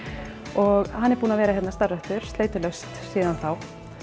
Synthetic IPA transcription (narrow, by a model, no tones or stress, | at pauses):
ɔɣhanːɛɾ̥puːnavɛːɾahɛt̪nast̪aɾœht̪ʏɾ̥st̪eːjt̪ɪlœɥst̪siːðanθaw